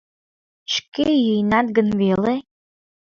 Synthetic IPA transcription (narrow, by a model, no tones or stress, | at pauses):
ʃkejijnɑt̪̚ɡənvele